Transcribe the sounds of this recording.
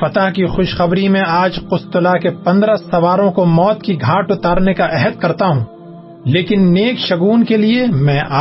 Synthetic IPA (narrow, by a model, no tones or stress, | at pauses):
fɐt̪aɦkixʊʃxɐbɾimẽaːd͡ʒqʊst̪ʊlakepɐ̃nd̪ɾasɐʋaːɾõkomɔːt̪kiɡʱaːʈʊt̪aːɾnekaʔɛɦəd̪̚kɐɾt̪aɦũː | leːkɪnːeːkʃɐɡuːnkeliemɛ̃ːʔaː